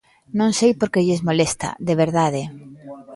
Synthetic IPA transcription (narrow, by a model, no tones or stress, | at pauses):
nõŋsejpoɾkeʎezmolest̪a̰ðeβeɾðaðe